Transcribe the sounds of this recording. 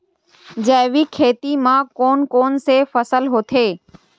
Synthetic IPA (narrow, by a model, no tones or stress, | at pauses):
d͡ʒɛːʋikʰeːt̪imãːkoːnkoːnsefəsəlɦoːt̪ʰeː